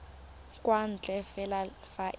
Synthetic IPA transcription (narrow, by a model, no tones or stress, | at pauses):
kʼwan̩t͡ɬʼɛfɛla | faʔ